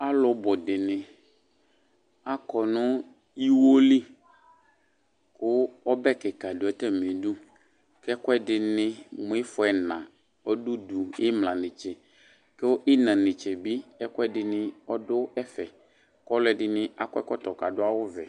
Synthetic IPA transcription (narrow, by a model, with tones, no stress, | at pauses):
a˦lʊ˨˦bɔ˨dɪ˨nɪ̃˨ | a˦kɔ˨nʊ̃˦ | i˦wo˦li˦ | kʊ˦ɔ˦bɛ˦kɛ˨ka˨dʊ˨ɛ˨tɛ˦m˨e˨dʊ˦ | kɛ˦kʊ˦ɛ˦dɪ˨nɪ̃˦mʊ̃˨˦ɪ˦fʊ˨ɛ˨nã˨ | ɔ˦dʊ˦du˨ɪ˦mlã˨nɪ˨t͡ʃɛ˨ | kɪ˦ʊ˦ʔɪ˦nã˨nɪ˨t͡ʃɛ˨bi˦ɛ˦kʊ˦ɛ˦dɪ˨nɪ˦ɔ˦dʊ˦ɛ˦fɛ˨ | kɔ˦lʊ˦ɛ˨dɪ˦nɪ̃˦a˨kɛ̰˦kɔ˦tɔ˨ka˨dʊ˦a˦wʊ˦vɛ˨